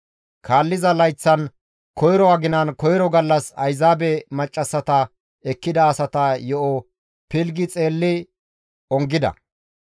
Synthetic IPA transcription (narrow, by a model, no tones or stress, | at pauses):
kʰaːlːɪzɐlɐjt͡sːɐn | kɔjɾɔɐɡɪnɐnkɔjɾɔɡɐlːɐsɐ̰jzaːbɛmɐt͡ʃʼːɐsːɐt̪ɐ | ɛkːɪd̪ɐːsɐt̪ɐjɔʔɔ | pɪlɡɪt͡sʼe̞ːlːɪ | ɔŋɡɪd̪ɐ̰